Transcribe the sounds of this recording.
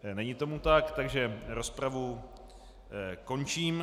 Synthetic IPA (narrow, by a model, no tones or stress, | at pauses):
nɛɲɪt̪o̞mut̪akt̪aɡʒɛɾo̞spɾavu | ko̞nt͡ʃiːm